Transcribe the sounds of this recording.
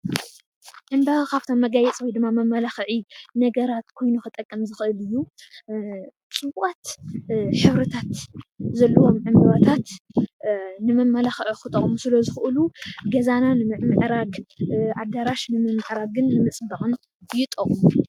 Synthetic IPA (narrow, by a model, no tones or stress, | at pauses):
ʕɨmbaβakʰaβt̪ʰomːɐɡajɛt͡sʼwɔjd̪ɨmːamɐmːɐlaxʕinɐɡɐɾat̪kʰo̞jnuxɨt̪ʼɐkʼːɐmzɨxɨʔɨlɨjːu | t͡sʼɨβʔʼat̪ | ħɨβɾɐt̪ʰat̪zɐlːɐwo̞mʕɨmbaβat̪ʰat̪ | nɨmɐmːɐlaxʕixɨt̪ʼɐχʼmusɨlɐzɨxɨʔɨluɡɐzananɨmɨʕmɨʕɾaɡʔad̪aɾaʃnɨmɨmɨʕɾaɡɨnːɨmɨt͡sʼbɐχʼɨn | jɪt̪ʼɐχʼmu